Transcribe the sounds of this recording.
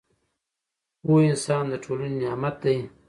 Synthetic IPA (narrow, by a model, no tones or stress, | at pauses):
woɪnsɑːnd̪əʈʰolanenjɑmat̪̚d̪aj